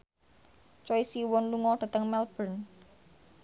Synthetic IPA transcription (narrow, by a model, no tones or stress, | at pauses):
t͡ʃɔisiwɔnluŋɔɖ̪̥ä̤t̪əŋmɛlb̥ən